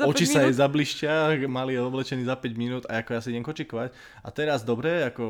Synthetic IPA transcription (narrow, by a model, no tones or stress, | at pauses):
ɔt͡ʃisajɛzabliʃcɪamaliɛɔblɛt͡ʃɛniːzapɛɟminuːd̪aakɔjasiiɟɛmkɔt͡ʃikɔʋac | a̰t̪ɛɾazd̪ɔbɾɛakɔ